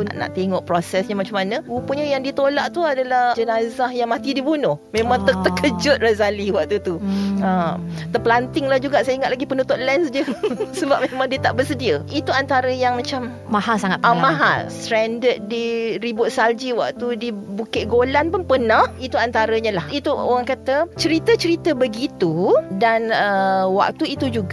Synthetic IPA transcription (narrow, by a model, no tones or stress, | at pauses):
pʔna̰ʔt̪eŋɔʔpɾosɛsɲamat͡ʃamanə̃upəɲəjaŋdit̪olaʔt̪uadalahd͡ʒənazahjaŋmãt̪idibunʊhmẽmãŋt̪ət̪əkəd͡ʒʊt̪̚razaliwaʔ̚t̪ut̪u | t̪əpəlant̪ɪŋlahd͡ʒuɡaʔsajaiŋat̪laɡipənũt̪ʊt̪̚lɛnsdiəsəbap̚memãŋdiət̪aʔbərsədiəit̪uant̪aɾəjaŋmãt͡ʃam | maɦalsaŋat̪̚amãɦa̰lst̪ɾɛndət̪̚diɾibʊt̪̚sald͡ʒiwa̰k̚t̪udibukɪʔ̚ɡolanpʊnpənə̃hit̪uant̪aɾəɲalahit̪uo̰ɣaŋkat̪ət͡ʃəɾit̪ət͡ʃəɾit̪əbəɡit̪udanəwa̰k̚t̪uit̪ud͡ʒuɡa